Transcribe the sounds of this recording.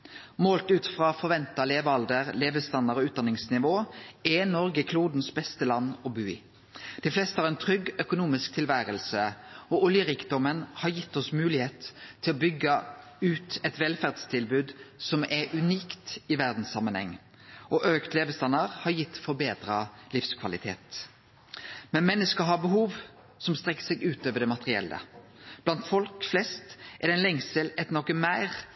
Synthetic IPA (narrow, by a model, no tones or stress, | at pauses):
moːlt̪ʉːt̪fʁɑːfɔʁʋɛnt̪ɑleːʋɑld̪əʁleːʋəst̪ɑnːəʁɔːʉːt̪d̪ɑnɪŋsnɪʋoːɛnɔɾɡəkʰluːd̪n̩sbɛst̪əlɑnːɔbʉːɪ̰ | d̪̥ɪflɛst̪əhɑʁɛnt̪ʰʁʏɡœkʊnuːmɪsk̚t̪ʰɪlʋæːɾəlsəɔʔʊljəɾɪkd̪ɔmənhɑʁjɪt̪ːɔsmʉːlɪheːt̪ʰːɪlɔbʏɡːə | ʉːt̪ɛt̪ʋɛlfæːʁd̪st̪ʰɪlbʉːd̪sɔmɛɾʉniːkt̪ɪʋæʁd̪n̩ssɑmːənhɛ̰ŋː | ʔɔʔøːkt̪ʰleːʋəst̪ɑnːəʁhɑɾjɪt̪ːfɔɾbeːd̪ɾəlɪfskʰʋɑlɪt̪ʰḛːt̪ | mɛnmɛnːəskəɦɑʁbəɦuːʋ | sɔmst̪ʁɛkːə̥sɛɡʉːt̪øːʋəɖ̪ɛmɑt̪əʁɪɛ̰lːə̰b̥lɑnt̪fɔlkflɛst̪ɛd̪ɛɪnlɛŋsəlɛt̪nɔkəmæɪʁ